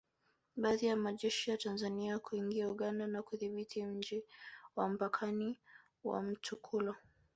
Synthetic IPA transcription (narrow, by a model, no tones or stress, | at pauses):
ɓaːðijamaʄɛʃijatanzaniakuiŋɡiauɠandanakuðiɓitʰim̩d͡ʒiwam̩pakʰani | wa̰m̩t͡ʃukʰulɔ